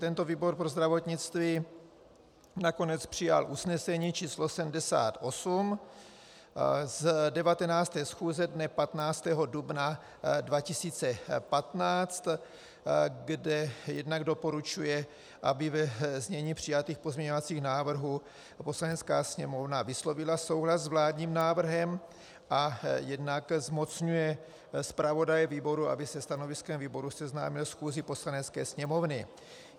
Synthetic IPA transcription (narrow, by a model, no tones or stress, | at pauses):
t̪ɛnt̪o̞viːbo̞ɾpɾozd̪ɾavo̞t̪ɲɪt͡st̪viː | nako̞nɛt͡spr̝̥ɪja̰lʔusnɛsɛɲiːt͡ʃiːslo̞sɛmdɛsa̰ːt̪ʔo̞sum | zdɛvat̪ɛnaːt͡st̪ɛːsxuːzɛdnɛpat̪naːt͡st̪ɛːɦo̞dubna | dvacɪsiːt͡sɛpat̪naːt͡st̪ | ɡdɛjɛdnaɡdo̞po̞ɾut͡ʃujɛ | ʔa̰bɪvɛzɲɛɲiːpr̝̥ɪjat̪iːxpo̞zmɲɛɲo̞vat͡siːxnaːvr̩ɦuː | po̞slanɛt͡skaːsɲɛmo̞vnavɪslo̞vɪlaso̞wɦlazzvlaːdɲiːmnaːvr̩ɦɛm | ʔajɛdnakzmo̞t͡sɲujɛ | spɾavo̞dajɛviːbo̞ɾua̰bɪsɛst̪ano̞vɪskɛmviːbo̞ɾusɛzna̰ːmɪlsxuːzɪpo̞slanɛt͡skɛːsɲɛmo̞vnɪ